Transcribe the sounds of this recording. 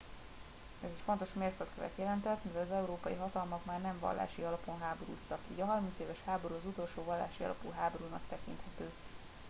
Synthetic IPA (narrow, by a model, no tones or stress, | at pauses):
ɛzɛcfo̞nt̪o̞ʃmeːrkøt̪køvɛ̰t̪jɛlɛnt̪ɛt̪ːmɛvɛlɒzɛuɾoːpɒjiɦɒt̪ɒlmɒkmaːrnɛɱvɒ̰lːa̰ːʃiɒlɒpo̞nɦaːboɾṵːst̪ɒkḭːɟɒɦɒrmint̪seːvɛʃhaːboɾuːɒzut̪o̞lʃoːvɒlːa̰ːʃiɒ̰lɒ̰pṵɦaːbo̞ɾuːnɒkt̪ɛkḭnt̪hɛt̪øː